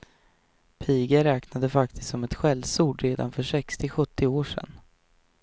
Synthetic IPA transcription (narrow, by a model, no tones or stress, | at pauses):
pʰiːɡəɾɛːknad̪əfak̚t̪ʰɪ̥st̪sɔmɛt̪ɧɛlvsuːɖɾeːd̪a̰nfœʂɛkst̪ɪɧɵt̪ʰːɪoːʂɛ̰n